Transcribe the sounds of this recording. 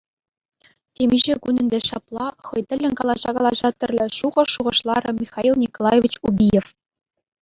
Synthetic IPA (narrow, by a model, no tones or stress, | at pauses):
t̪ʲemʲiʒĕkunɘ̆nd̪ʲeʃɑplˠɑχɤ̆jt̪ɘ̆lʲːɘ̆nʲkɑlˠɑʑɑkɑlˠɑʑɑt̪ʲɘ̆rʲlʲɘ̆ʃuʁɤ̆ʃuʁɤ̆ʃlˠɑɾɤ̆mʲixɑilˠnʲikolˠɑjevʲit͡ɕubʲijef